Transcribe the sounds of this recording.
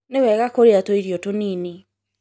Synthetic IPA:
newɛɣakoɾeatoiɾiotoniːni

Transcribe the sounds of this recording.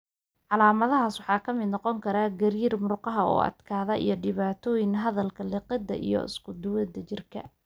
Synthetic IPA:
ʕɑlaːmɐðɐɦaːswɑħɑːkʰɐmɪd̪nɑqɔŋkʰɐɾaːɡɐɾiːrmʊrqɑɦɐɔ̰ːʔɐ̰d̪kʰaːðɐʔḭjɞɖɪβaːt̪ʰɔːjɪŋɦɐðɐlkʰɐlɪqɪd̪ɐ̰ʔḭjɔ̰ɪ̰skʰʊd̪ʊwɐd̪ɐt͡ʃɪrkʰɐ̰

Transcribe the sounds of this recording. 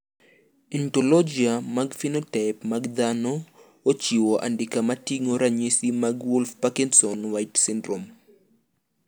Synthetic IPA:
ɛntolɔd͡ʒiamaɡfinɔtapmaɡd̪anɔ | ot͡ʃiwoʔa̰ndɪkamatiŋoɾaɲesimaɡwulfpakinsɔnwajtsɪndɾom

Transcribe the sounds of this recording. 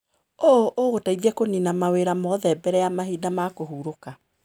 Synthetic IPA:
oʔoːɣotaiðɛkoninamaweɾamɔðɛbɛɾɛjamaɦiːdamakoɦuːɾoka

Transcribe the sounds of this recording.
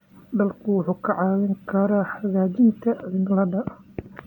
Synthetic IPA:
d̪ɐlkʰʊwʊħuːkʰɐʕɑːwɪŋkʰɐɾaːħaɣaːdɪnt̪ʰɐɪnlɐdɐ

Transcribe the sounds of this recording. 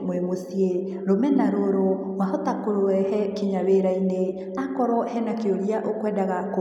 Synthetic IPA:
mwemosie | ɾomɛnaɾoɾo | wahotakoɾowɛhɛkiɲaweɾaine | akɔɾɔhɛnakeoɾiaʔokwɛdaɣako

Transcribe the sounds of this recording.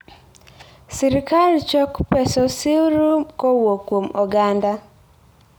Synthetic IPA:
siɾikalt͡ʃɔkpɛsɔsiɾukowokwomɔɡanda

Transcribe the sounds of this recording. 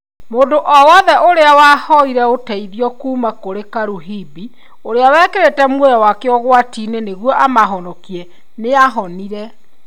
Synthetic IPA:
moːndoʔɔwɔðɛʔoɾeawahɔiɾɛotɛiðiɔkuːmakoɾekaɾuɦibi | oɾeawɛːkeɾetɛmwoðawakeɔɣwatiːneneɣwɔʔamaɦɔnɔkiɛ | neaɦɔniɾɛ

